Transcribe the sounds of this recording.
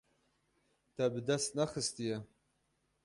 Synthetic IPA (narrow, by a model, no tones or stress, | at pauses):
tʰɐbdasnaχəstʰijɐ